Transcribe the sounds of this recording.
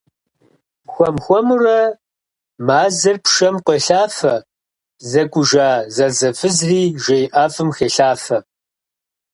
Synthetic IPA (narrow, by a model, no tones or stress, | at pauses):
xʷɔmxʷɔmurɐ | maːzɐrpʃɐmqʷɔɬaːfɐ | zɐkʷʼʊʒaːzɐzɐfɨzriːʒɐjʔaːfɨmxeɬaːfɐ